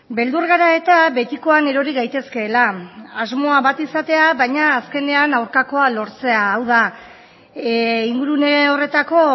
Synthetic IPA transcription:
be̞ld̪uɾɣaɾae̞t̪aβe̞t̪iko̞ane̞ɾo̞ɾiɣajt̪e̞ske̞ːlaazmo̞aβat̪isat̪e̞aβajɲaːske̞ne̞anawɾkako̞alo̞ɾt͡se̞aːwða | iŋɡuɾuneore̞t̪ako̞

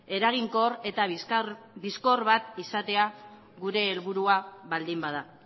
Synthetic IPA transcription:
e̞ɾaɣiŋkore̞t̪a | biskorβat̪isat̪e̞a | ɣuɾe̞ːlβuɾuaβald̪imbað̞a

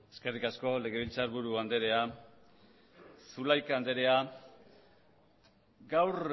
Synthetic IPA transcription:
e̞ske̞rikasko̞le̞ɣ̞e̞β̞ilt͡saɾβuɾuand̪e̞ɾe̞a | sulajkaand̪e̞ɾe̞a | ɡawr

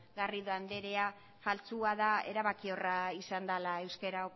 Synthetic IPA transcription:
ɡariðoand̪e̞ɾe̞a | falt͡suaðae̞ɾaβakio̞raisand̪alae̞wskeɾao

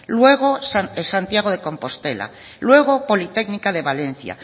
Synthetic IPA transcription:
lwe̞ɣ̞o̞saesant̪jaɣ̞o̞ðe̞ko̞mpo̞st̪e̞la̰ | lwe̞ɣ̞o̞po̞lit̪e̞knikaðe̞βale̞n̟θja̰

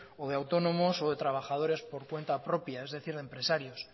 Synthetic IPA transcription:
oðeawt̪o̞nõ̞mo̞so̞ðe̞t̪ɾaβ̞axaðo̞ɾe̞spo̞ɾkwe̞nt̪apɾo̞pjae̞zðe̞θiɾðempɾe̞saɾjo̞s

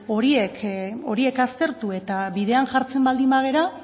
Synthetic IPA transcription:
o̞ɾieko̞ɾie̞kast̪e̞ɾt̪ue̞t̪aβiðe̞anʝaɾt͡se̞mbald̪imaɣe̞ɾa

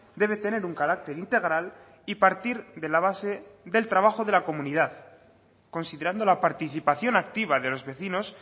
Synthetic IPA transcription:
d̪e̞β̞e̞t̪e̞ne̞ɾuŋkaɾak̚t̪e̞ɾint̪e̞ɣɾal | ipaɾt̪iɾðe̞laβaseðe̞lt̪ɾaβaxo̞ðe̞lako̞mũniðað | ko̞nsiðe̞ɾand̪o̞lapaɾt̪iθipaθjo̞nakt̪iβaðelo̞zβe̞θino̞s

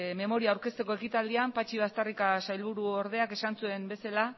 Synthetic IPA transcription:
me̞mo̞ɾiaːwɾke̞st̪e̞ko̞e̞kit̪ald̪iampat͡ʃiβ̞ast̪arikasajlβ̞uɾuo̞ɾð̞e̞ake̞sansue̞mbe̞sala

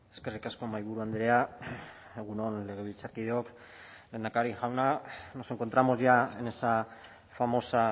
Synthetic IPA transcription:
e̞ske̞rikasko̞majβuɾuand̪ɾe̞a | eɣ̞uno̞nle̞ɣ̞e̞β̞ilt͡saɾkið̞eok | lend̪akaɾiʝawnano̞se̞ŋko̞nt̪ɾamo̞zʝaene̞sa | famo̞sa

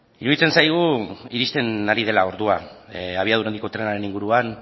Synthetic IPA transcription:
iɾuðit͡se̞nsajɣ̞uiɾist̪e̞naɾið̞elao̞ɾðuaaβiaðuɾe̞nd̪iko̞t̪ɾe̞naɾe̞niŋɡuɾuan

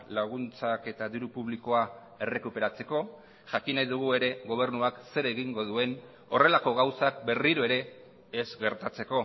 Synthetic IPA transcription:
laɣ̞unt͡sake̞t̪aðiɾupuβ̞liko̞a | e̞re̞kupe̞ɾat͡se̞ko̞ | ʝakinajðuɣ̞ue̞ɾe̞ɣo̞β̞e̞ɾnuakse̞ɾe̞ɣiŋɡo̞ðue̞n | o̞re̞lako̞ɣ̞awsak̚be̞riɾoe̞ɾe̞ː | zɡe̞ɾt̪at͡se̞ko̞

